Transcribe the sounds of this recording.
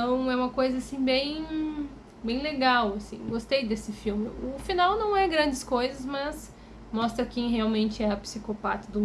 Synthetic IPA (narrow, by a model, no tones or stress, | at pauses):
ɐ̃w̃ɛũmɐkojzɐasĩbẽj̃ | bẽj̃leɡawasḭ̃ɡost̪ejd̪esɪfiwmɪʊfinawnɐ̃w̃ɛɡɾɐ̃nd͡ʒɪskojzɐzmɐz | mɔst̪ɾɐkẽj̃ɦeawmẽnt͡ʃɪɛɾɐpi̥sikopat̪ɐd̪ʊ